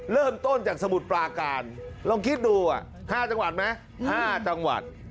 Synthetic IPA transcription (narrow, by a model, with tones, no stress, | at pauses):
lɤː˥˩mt̪o˥˩nt͡ɕaː˨˩k̚sa˧mu˨˩t̪̚pɾaː˧kaː˧nlɔ˧ŋkʰi˦˥t̪̚duː˧ʔa̰˨˩ | haː˥˩t͡ɕa˧ŋwa˨˩t̪̚ma˦˥j | haː˥˩t͡ɕa˧ŋwa̰˨˩t̪̚